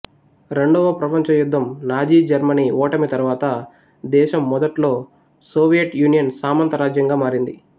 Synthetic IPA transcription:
ɾe̞ɳɖɔʋɐpɾɐpɐɲt͡ʃɐjud̪ʱːɐmnaːd͡ʒiːd͡ʒɐɾmɐniːɔːʈɐmit̪ɐɾuʋaːt̪ɐ | d̪ɛːʃɐmːɔd̪ɐʈlo̞ː | soːʋijɐʈjuːnijɐnsaːmɐnt̪ɐɾaːd͡ʒjɐŋɡaːmaːɾind̪i

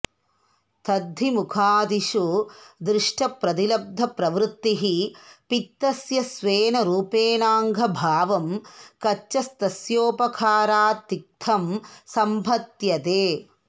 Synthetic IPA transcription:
t̪ɐd̪ʱːimukʰaːd̪iʃud̪ɾɪʂʈʰɐpɾɐd̪ilɐb̚d̪ʱɐpɾɐʋɾut̪ːiɦipit̪ːɐsjɐsʋeːnɐɾuːpeːnaːŋɡʱɐbʱaːʋɐmkɐt͡ʃːɐst̪ɐsjoːpɐkʰaːɾaːt̪ik̚t̪ʰɐmsɐmbʱɐt̪jɐt̪eː

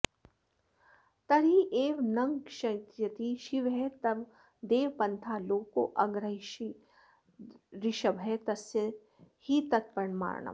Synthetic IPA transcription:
t̪ɐɾiʔeːʋnɐŋɡʃɐt̪jɐt̪iʃiʋɦɛt̪ɐʋ | d̪eːʋpɐnt̪ʰaːloːko̰ːʔɐɡɾɐɦiʃi | ɾiʃɐbɦɛt̪ɐsjɐ | hit̪ɐt̪̚pɐɳma̰ːɾɳɐ̰m

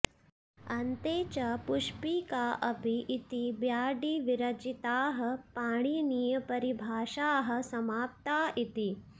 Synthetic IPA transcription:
ɐnt̪eːt͡ʃɐpuʃpikaːʔɐpiʔːt̪ibjaːɖiʋiɾɐd͡ʒit̪aːɦɐ̆paːɽ̃inijɐpɐɾibʱaːʃaːɦɐ̆sɐmaːp̚t̪aːit̪i

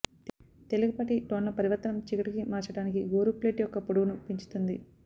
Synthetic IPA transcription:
t̪e̞luɡɐpɐʈiʈonlɐpɐɾiʋɐɾt̪ːɐnɐmt͡ʃiɡɐʈikimaːt͡ʃɐɽaːnikiɡoːɾupleːʈjɔkːɐpoɽuɡunupiɲt͡ʃu̥t̪und̪i

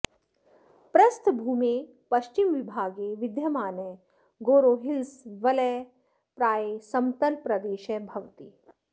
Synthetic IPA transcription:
pɾɐst̪ʰbʱuːmi | pɐʃt͡ʃimʋibʱaːɡeʋɪd̪jɐmaːne | ɡoːɾoːɦilsʋɐlɛ | pɾaːjesɐmt̪ɐlpɾɐd̪eːʃebʱɐʋt̪i

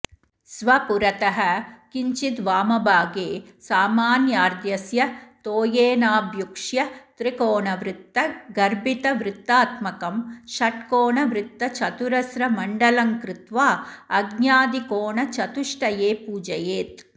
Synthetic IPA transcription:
sʋɐpuɾɐt̪ɐɦɐkiɲt͡ʃit̪ʋaːmɐbʱaːɡeːsaːmaːnjaːɾd̪jɐsjɐt̪oːjeːnaːbʱjukʂjɐt̪ɾikoːɳɐʋɾɪt̪ːɐɡɐɾbit̪ɐʋɾɪt̪ːaːt̪mɐkɐmʃɐʈkoːɳɐʋɾɪt̪ːɐt͡ʃɐt̪uɾɐsɾɐmɐɳɖɐlɐŋkɾɪt̪ʋaːɐɡnjaːd̪ikoːɳɐt͡ʃɐt̪uʂʈɐjeːpuːd͡ʒɐjeːt̪

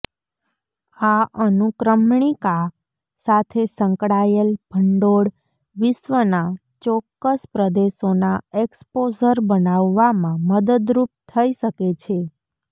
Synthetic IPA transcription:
aənukɾəmɳika | sat̪ʰesə̃ŋkɽajəlb̥ʱəɳɖoɽ | ʋɪʃʋəna | t͡ʃɔkːəspɾəd̪eʃonaekspod͡ʒəɾbənaʋːamãməd̪əd̪ɾup̚t̪ʰəiʃəket͡ʃʰe

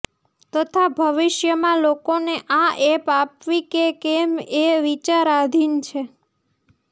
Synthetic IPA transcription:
t̪ət̪ʰabʱəʋɪʃjəmãlokoneʔãepapʋikekemeʋit͡ʃaɾad̪ʱint͡ʃʰe

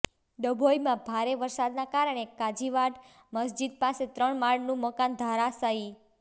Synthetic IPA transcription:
ɖ̪əbʱojmãbʱaɾeʋəɾsad̪nakaɾəɳekad͡ʒiʋaɖ | məs̬d͡ʒid̪̚paset̪ɾəɳmaɭnũməkand̪ʱaɾasai

